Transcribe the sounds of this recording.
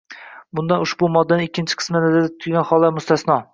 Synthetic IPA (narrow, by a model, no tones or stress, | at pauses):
bʊnd̪anʊʃbʊmɒd̪ːanɪɪkʲʰːɪnt͡ʃʰɪ̥qʰɨ̥smanazad̪at̪ʰːʊɡʲanχɒlˠːaɾmʊst̪ʰasnɒ